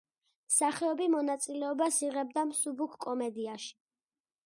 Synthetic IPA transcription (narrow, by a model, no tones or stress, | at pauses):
msaχɛɔbimɔnat̪sʼilɛɔbasiʁɛb̚d̪amsubukʰkʼɔmɛd̪iaʃi̥